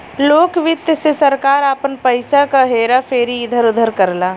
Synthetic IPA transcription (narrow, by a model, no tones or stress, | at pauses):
loːkʋɪt̪jsesəɾkaːɾaːpənpəɪsakaɦeːɾapʰeːɾiɪd̪ʱəɾʊd̪ʱəɾkəɾlaː